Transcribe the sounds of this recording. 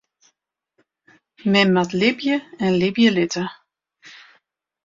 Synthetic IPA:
mɛmatlɪbjəɛnlɪbjəlɪtə

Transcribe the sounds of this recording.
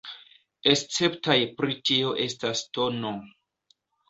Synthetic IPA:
est͡se̞ptajpɾitio̞ʔe̞stasto̞no

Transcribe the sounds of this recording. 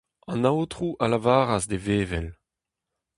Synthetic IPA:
ɑ̃nawotʁuʔalavaːʁazd̪eveːvɛl

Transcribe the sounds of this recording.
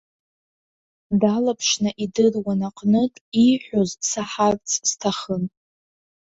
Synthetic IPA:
dalapʰʂnɨʔidɨrwanaqʼnɨtʼiħʷᶣozsaħart͡sʼz̥tʰaχən

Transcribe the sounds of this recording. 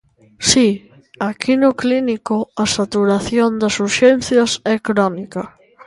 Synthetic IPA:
si | akʰinʊklinikoasat̪uɾaθjond̪ɐsuɾʃɛn̟θjɐsɛkɾɔnikɐ

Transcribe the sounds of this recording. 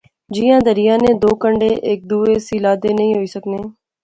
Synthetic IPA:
d͡ʒijãːd̪əɾɪjãːneːd̪oːkəɳɖeːʔɪk̚d̪uːeːsiːlaːd̪eːnəɦĩːɦoiːsəkneː

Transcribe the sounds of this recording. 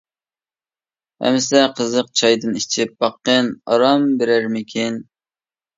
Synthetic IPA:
ɛ̰msɛqʰəzəq̚t͡ʃʰɑjd̪ɨnit͡ʃʰɪp̚bɑqːənɑ̰ɾɑmbeɾæɾmɪkʲʰin

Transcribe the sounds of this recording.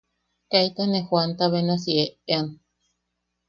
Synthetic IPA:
kajt̪anexwant̪aβenasieean

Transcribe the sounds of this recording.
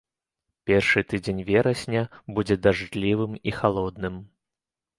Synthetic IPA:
pʲɛrʂɨt̪ɨd͡zʲenʲvʲɛɾɐsʲnʲɐbud͡zʲɛd̪aʐd̪lʲivɨmixalˠɔd̪nɨm

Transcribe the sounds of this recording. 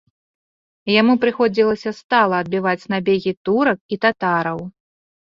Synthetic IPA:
jamupɾɨxɔd͡zʲilˠɐsʲɐst̪alˠɐːd̪̚bʲivat͡sʲnabʲeɣʲit̪uɾɐk̚it̪at̪aɾɐw

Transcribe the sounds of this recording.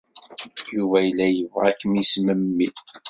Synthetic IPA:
juvæjəlːæjəvʁækːmisməmːi

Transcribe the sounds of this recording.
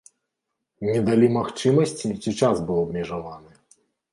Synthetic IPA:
nʲɛd̪alʲimaxt͡ʂɨmɐsʲt͡sʲit͡sʲit͡ʂazbɨwˠɐbmʲɛʐavanɨ

